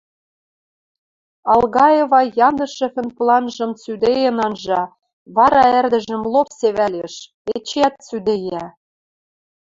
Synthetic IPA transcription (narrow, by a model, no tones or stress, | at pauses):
ɑlˠɣɑjeβɑjɑnd̪ɤ̆ʃɤ̆fɘ̆nplˠɑnʒɤ̆mt͡syd̪ejĕnɑnʒɑ | βɑɾɑærd̪ə̆ʒɘ̆mlopseβæleʃ | et͡ɕæt̪̚t͡syd̪ejæ